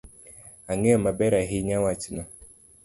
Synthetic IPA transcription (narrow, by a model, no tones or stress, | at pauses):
aŋɪɔmabɛɾaɦiɲawat͡ʃina